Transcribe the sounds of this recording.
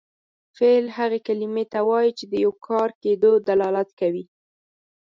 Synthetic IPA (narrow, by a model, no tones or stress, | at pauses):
felhaɣekalimet̪awɑjit͡ʃed̪əjawkʰɑɾked̪od̪alɑlat̪kawi